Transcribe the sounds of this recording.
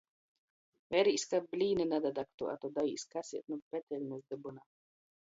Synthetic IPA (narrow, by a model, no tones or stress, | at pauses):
vɛɾiːsʲkablʲiːnɨnad̪ad̪ak̚t̪ṵʔa̰t̪od̪aiːskasiɛt̪̚nupɛt̪ɛlʲnɛzd̪ɨbuna